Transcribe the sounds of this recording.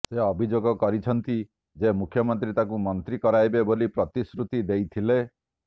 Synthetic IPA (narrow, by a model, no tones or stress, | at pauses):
seɔbʱid͡ʒoɡɔkɔɾit͡ʃʰɔnt̪i | d͡ʒemukʰjɔmɔnt̪ɾit̪akumɔnt̪ɾikɔɾajbebolipɾɔt̪isɾut̪id̪ejt̪ʰile